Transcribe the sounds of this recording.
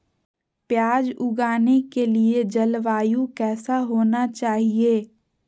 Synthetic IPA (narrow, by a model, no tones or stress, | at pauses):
pjaːd͡ʒʊɡaːnekelied͡ʒɐlʋaːjũkɛːsaɦoːnat͡ʃaːɦieː